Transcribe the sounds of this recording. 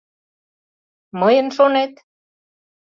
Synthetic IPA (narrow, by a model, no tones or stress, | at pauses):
məjənʃonet̪